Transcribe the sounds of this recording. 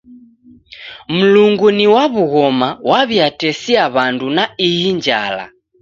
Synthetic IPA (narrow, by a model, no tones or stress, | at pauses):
m̩luŋɡuniwaβuɣɔmawaβjatɛsiaβandunaijind͡ʒa̰la̰